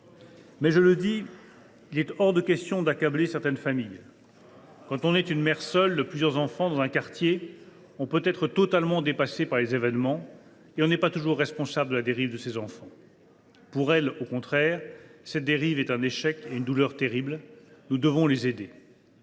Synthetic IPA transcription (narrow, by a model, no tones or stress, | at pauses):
mɛʒələd̪i | ilɛt̪ɔʁd̪əkʲɛst̪jɔ̃d̪akablesɛʁt̪ɛnfamij | kɑ̃t̪ɔ̃nɛt̪ynmɛʁsœld̪əplyzjœʁzɑ̃fɑ̃d̪ɑ̃zɛ̃kaʁt̪je | ɔ̃pøt̪ɛt̪χət̪ɔt̪almɑ̃d̪epasepaʁlezevɛnmɑ̃ | eɔ̃nɛpat̪uʒuʁːɛspɔ̃sabləd̪əlad̪eʁivd̪əsezɑ̃fɑ̃ | puʁɛlokɔ̃t̪χɛːʁsɛt̪̚d̪eʁivɛt̪ɛ̃neʃɛkeynd̪ulœʁt̪eʁiblnud̪əvɔ̃lezed̪e